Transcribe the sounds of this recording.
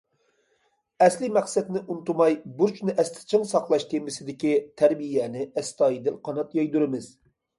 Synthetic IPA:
ɛslɪmæqsɛt̪nɪʔunt̪umɑjbuɾt͡ʃnɨʔɛst̪ʰɪ̥t͡ʃʰɨŋsɑqlˠɑʃt̪ʰemɪsɪd̪ɪkʲit̪ʰæɾbijɛnɪɛst̪ɑːjid̪ɪlqʰɑnɑt̪jɑjd̪uɾɪmɪz̥

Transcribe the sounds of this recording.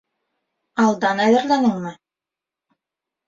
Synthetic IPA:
ɑlˠd̪ɑnæjɘ̆ɾlʲænɤɴmɤ

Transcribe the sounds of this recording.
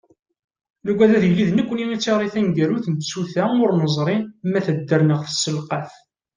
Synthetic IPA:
luɡʷæðæðjəlːiðnəkʷːənimit͡sːiʁɾˤiθænɡæɾuθənt̪suθæʊɾnəzˤɾˤinmæθəd̪ːəɾnəʁθəsːəlqɑθ

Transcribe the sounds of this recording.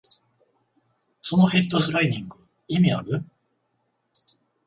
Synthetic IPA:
so̞no̞he̞t̪ːosɨɾaiɲʲĩŋɡɯ̟ | imʲiaɡɯ̟

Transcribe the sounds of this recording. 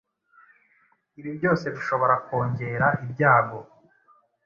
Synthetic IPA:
iβibɟo̞ːse̞βiʃo̞βo̞ɾako̞ːɲɟe̞ɾaʔibɟaːɡo̞

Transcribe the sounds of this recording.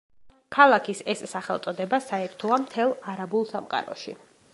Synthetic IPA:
kʰalˠakʰisɛsːaχɛlˠt̪sʼɔd̪ɛbasaɛɾt̪ʰɔamt̪ʰɛlˠaɾabulˠsamqʼa̰ɾɔ̰ʃḭ

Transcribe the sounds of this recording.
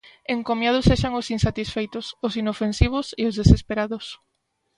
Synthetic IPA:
eŋkomjað̞ʊseʃaŋʊsinsat̪isfejt̪ʊsʊsinofensiβ̞ʊseʊzðesespeɾaðʊs

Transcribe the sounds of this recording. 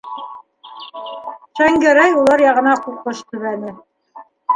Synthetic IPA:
ʃæŋɡæɾæjulˠɑɾjɑʁɤ̆nɑquqɤʃt̪ɵ̆βænɘ

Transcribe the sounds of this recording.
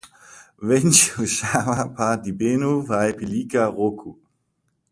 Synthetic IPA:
vɛnt͡ʃuʃamapʰad̪ibenuvajpilikaʁokʰu

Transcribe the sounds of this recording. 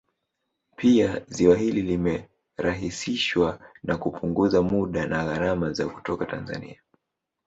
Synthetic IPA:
pʰiaziwaɦililimɛ | ɾaɦisiʃwanakupʰuŋɡuzamuɗanaɣaɾamazaku̥tɔkata̰nza̰nḭa

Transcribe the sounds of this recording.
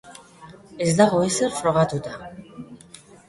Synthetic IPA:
ezd̪aɣo̞eserfɾo̞ɣat̪ut̪a

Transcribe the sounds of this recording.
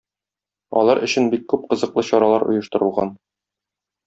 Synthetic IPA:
ɒ̰lˠɑɾʔɵ̆ɕɘnbikːʉp̚qɤ̆zɤ̆qlˠɤɕɒɾɑlˠɑɾŏ̰jɤ̆ʃt̪ɤ̆ɾɤ̆lˠʁɑn

